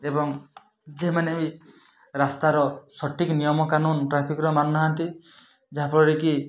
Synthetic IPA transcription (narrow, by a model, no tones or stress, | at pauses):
ebɔŋ | d͡ʒemanebi | ɾast̪aɾɔsɔʈiknijɔmɔkanunʈɾapʰikɾɔmanːaɦant̪i | d͡ʒaɦapɔɽɔɾiki